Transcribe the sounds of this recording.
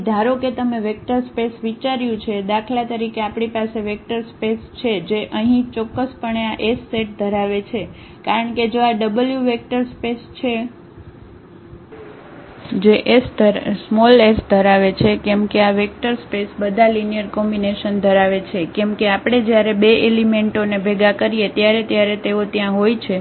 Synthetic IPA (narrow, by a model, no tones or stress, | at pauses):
d̪ʱaɾoket̪əmeʋek̚ʈəɾspesʋit͡ʃaɾjũt͡ʃʰed̪akʰlat̪əɾikeapɽ̃ipaseʋek̚ʈəɾspest͡ʃʰed͡ʒeʔəɦĩt͡ʃɔkːəspəɳeaʔesːeʈ̚d̪ʱəɾaʋet͡ʃʰe | kaɾəɳked͡ʒoaɖəbəljuʋek̚ʈəɾspest͡ʃʰe | d͡ʒeʔesd̪əɾsmɔlesd̪ʱəɾaʋet͡ʃʰekɛmkeaʋek̚ʈəɾspesbəd̪ʱalinijəɾkɔmbineʃənd̪ʱəɾaʋet͡ʃʰekɛmkeapɽ̃ed͡ʒjaɾebeʔelimeɳʈonebʱeɡakəɾijet̪jaɾet̪jaɾet̪eot̪jãɦojt͡ʃʰe